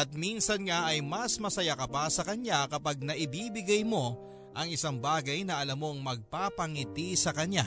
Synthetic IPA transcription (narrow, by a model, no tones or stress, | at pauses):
ʔɐt̪̚minsɐnŋaʔɐjmɐsmɐsɐjakɐpasɐkɐɲjakɐpaɡ̚nɐʔɪbiːbɪɡɐjmo̞ | ʔɐŋɪsaŋbaːɡɐjnɐʔɐlamo̞ŋmɐɡ̚papɐŋɪt̪isɐkɐɲa